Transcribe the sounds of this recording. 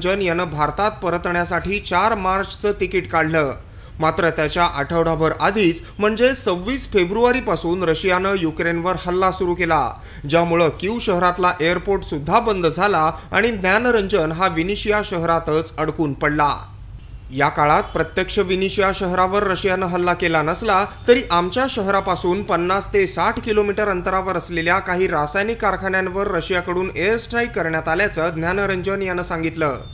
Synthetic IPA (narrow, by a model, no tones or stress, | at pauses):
d͡ʑənjanəbʱaɾt̪at̪̚pəɾət̪ɳjasaʈʰiːt͡ɕaɾmaɾt͡ɕt͡səːt̪ikiʈkaɽ̤ləː | mat̪ɾət̪jat͡ɕjaʔəʈʰəʋɽabʱəɾad̪ʱiːt͡s | m̤əɳd͡zesəʋːiːsfebɾuaɾiːpasuːnɾəɕijanəjukɾenʋəɾhəlːasuɾuːkela̰ | d͡ʑjamuɭəkjuʋɕəɦɾat̪laʔejəɾpoɾʈsud̪ʱːabənd̪ʱd͡zʱalaa̰ɽ̃id̪njanɾəɲd͡ʑənɦaʋiniɕijaɕəɦɾat̪ət͡səɽkuːnpəɽla̰ | jakaɭat̪̚pɾət̪jəkʂəʋiniɕijaɕəɦɾaʋəɾːəɕjanəɦəlːakelanəslat̪əɾiːʔamt͡ɕjaɕəɦɾapasuːnpənːast̪esaʈʰkilomiʈəɾənt̪əɾaʋəɾəsleljakaɦiːɾasajnikːaɾkʰaɳjanʋəɾːəɕjakəɽuːnesʈɾaikːəɾɳjat̪aljat͡səːd̪ʱnjanəɾəɲd͡ʑənjanəːsãŋɡit̪ləː